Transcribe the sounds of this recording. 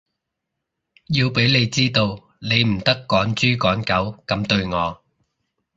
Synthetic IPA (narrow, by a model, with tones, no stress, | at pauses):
jiː˧wpe˨˥jne˨˧jt͡siː˥t̪o˧w | ne˨˧jm̩˨˩t̪ɐ˥kːɔː˨˥nt͡ʃyː˥kɔː˨˥nkɐ˨˥wkɐ˨˧˥mt̪ɵ˧ɥŋɔː˨˧